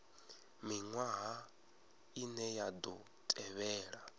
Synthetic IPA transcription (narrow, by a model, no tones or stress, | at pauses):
miŋwaɦa | inɛjad̪ɔ | tʼɛβɛːɺa